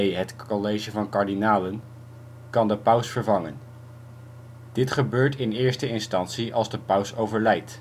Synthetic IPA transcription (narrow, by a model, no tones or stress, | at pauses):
jɦətolejʒəvɑnkɑɹdinaːlən | kɑndəpœwsfəɹvɑŋən | d̥ɪtχəbøːɹtɪnɪːɹstəɪnstɑntsiʔɑlˠzdəpœwsowvəɹlɛjt